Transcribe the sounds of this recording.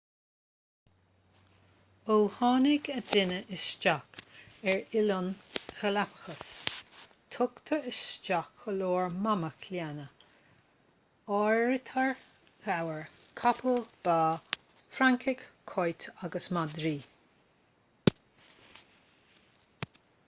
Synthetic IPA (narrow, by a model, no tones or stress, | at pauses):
olhɑːnɪɡəd̪ɪnəʔɪst͡ʃakɛɹɪlɔnxəlapə̥xəs | t̪ʰʊkt̪ʰəɪst͡ʃakːəloːɹmaməkʰljanə | ɔɹɪt̪ʰəɹ | ɣawəɹ | kʰapʰəlb̥aː | fɾaŋkʰɪɡʰɔjt̪ʰaɡəsmad̪ɾiː